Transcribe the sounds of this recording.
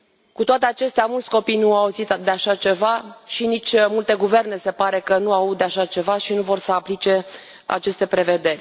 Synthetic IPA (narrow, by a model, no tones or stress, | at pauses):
kut̪oat̪eat͡ʃe̞st̪eamult̪sʲko̞pijnuauzit̪d̪eaʃat͡ʃe̞vaʃinit͡ʃʲmult̪e̞ɡuve̞rne̞se̞paɾe̞kənuaut̪d̪eaʃat͡ʃe̞vaʃinuvo̞rsəaplit͡ʃe̞ | a̰t͡ʃe̞st̪e̞pɾe̞ve̞d̪e̞rʲ